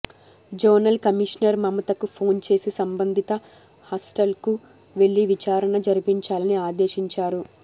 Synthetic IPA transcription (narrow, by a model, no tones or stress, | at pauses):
d͡ʒoːnɐlkɐmiʂnɐɾmɐmɐt̪ɐkupʰo̞ːnt͡ʃe̞ːsisɐmbɐnd̪ʱit̪ɐ | haːsʈɐlku | ʋe̞ɭːiʋit͡ʃaːɾɐnɐd͡ʒɐɾipiɲt͡ʃaːlɐniaːd̪e̞ːʃiɲt͡ʃaːɾu